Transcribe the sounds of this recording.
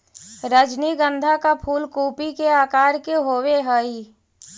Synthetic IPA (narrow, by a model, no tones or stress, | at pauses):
ɾəd͡ʒniɡə̃nd̪ʱakapʰuːlkuːpikeaːkaːɾkeɦoːweɦəi